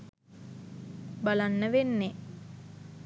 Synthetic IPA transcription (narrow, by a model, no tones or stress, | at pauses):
balanːəʋenːe